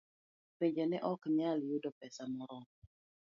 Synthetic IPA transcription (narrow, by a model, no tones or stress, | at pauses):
peɲd͡ʒɛnɛʔɔkmjaljudɔpɛsamɔɾɔ